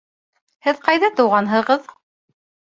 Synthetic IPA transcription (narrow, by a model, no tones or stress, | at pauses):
hɘðqɑjðɑt̪ɤ̆wʁɑnɦɤ̆ʁɤð